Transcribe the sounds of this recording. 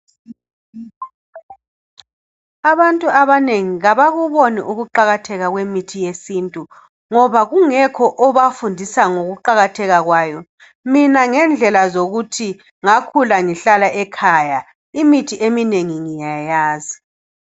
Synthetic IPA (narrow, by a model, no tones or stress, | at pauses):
aβantʼuaβaneŋiɣaβaɣuβoniʔuɣuǃaɣatʰɛɣaɣwemitʰijesintʼu | ŋɔβaɣuŋɛkʰɔʔɔβafundʱisaŋoɣuǃaɣatʰɛɣaɣwaːjɔ | minaŋɛnd͡ɮʱɛlazoɣutʰi | ŋakʰulaŋiɬalaʔɛkʰaja | imitʰiʔemineŋiŋijajaːzi